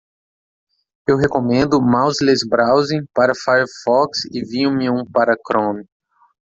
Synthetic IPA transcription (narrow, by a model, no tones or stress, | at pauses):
ewɦekomẽnd̪ʊmawzlezbɾawzĩj̃paɾɐfajfɔksɪvĩũmɪũpaɾɐkɾõn